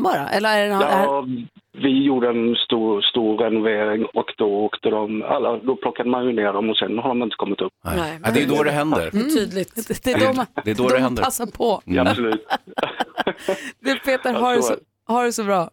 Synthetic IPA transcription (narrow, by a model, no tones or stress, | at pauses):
bɑːɾa̰ʔɛ̰lːəɾæɖɛn | vɪjuːɖəɛnst̪uːst̪uːɾɛnʊveːɾɪŋoːkd̪ɔoːkt̪əd̪ɔma̰lːad̪ɔpʰlɔkːad̪əmanjɵneːɖɔmɔsɛnhaɖ̪ɔmjɪnt̪ə̥kʰɔmːɪt̪ɵpːɛnɛd̪ɛjd̪oːd̪ɛɦɛnd̪ə̰ɾt̪ʰyːd̪lɪɡt̪d̪ɛd̪ɔd̪ɛːd̪oːd̪ɛhɛndəɾasːapʰɔsɔlʉːt̪ | d̪ɛpʰeːt̪əɾɦaɖɛ | haɖɛsɔbɾɑː